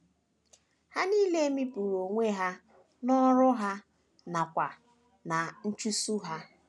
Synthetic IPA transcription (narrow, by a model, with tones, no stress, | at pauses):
ha˦ni˦le˦mi˦pu˨ɾo˨ŋʷe˦ɦa˦ | nɔ˦ɾʊ˦ɦa˦ | na˨kʷa˨ | na˨n̩˦t͡ʃu˦su˦ɦa˦